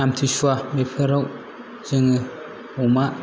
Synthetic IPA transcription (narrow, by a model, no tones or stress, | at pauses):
amtʰisuabepʰɯɾaw | z̥ɯŋɯ | uma